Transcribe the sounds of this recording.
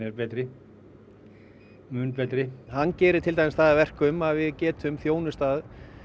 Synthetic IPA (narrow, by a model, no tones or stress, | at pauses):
ɛɾpɛːt̪ɾɪ | mʏːnpɛːt̪ɾɪhanːcɛːɾɪɾ̥t̪ʰɪlt̪ajmɪstθaːðavɛr̥kʏmaðvɪðcɛːt̪ʏmθjoːwnʏst̪aːð